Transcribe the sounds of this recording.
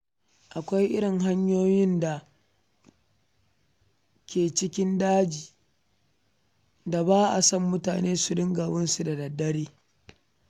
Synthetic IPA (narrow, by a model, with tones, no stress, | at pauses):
ʔa˨kʷa˦jʔɪ˦ɽɪ˨ŋɦa˦ɲjoː˦jɪ˦nda˨ | kʲʰeː˨t͡ʃɪ˦kʲɪ˦ndaː˦d͡ʒiː˨ | da˨baː˦ʔa˨sɐ˦˨mːʊ˦taː˨neː˦su˨dɪ˦ŋɡaː˨wɐ˦nsu˨da˨dɐ˨dːɐ˦ɽeː˦